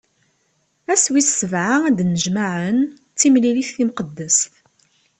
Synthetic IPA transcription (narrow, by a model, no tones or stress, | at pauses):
æswiθsəvʕaæd̪nəʒmaʕən | t͡sːimliliθːimqəd̪ːəsθ